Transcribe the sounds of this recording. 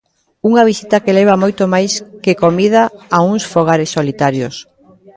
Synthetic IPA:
uŋɐβ̞isit̪ɐkelɛβ̞amojt̪omajskekomiðaːuŋsfoɣ̞aɾɪsːolit̪aɾjos

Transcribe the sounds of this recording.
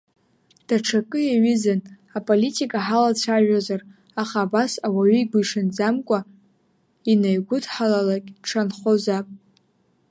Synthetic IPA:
d̥aʈ͡ʂʰakʼɨjaɥizan | apʼolitʰʼikʼaħalat͡ɕʷʰaʒᶣazar | aχaːbasawaɥʏiɡʷʊiʂɨnd͡zamkʷʼa | inajɡʷʊdħalalakʲʼʈ͡ʂʰanχozapʼ

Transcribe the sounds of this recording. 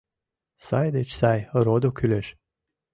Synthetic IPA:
sajd̪et͡ʃsajɾod̪okʲʰylʲeʃ

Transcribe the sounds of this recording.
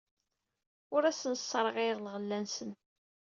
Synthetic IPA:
ʊɾæsənsːɾˤəʁiðlʁəlːænsən

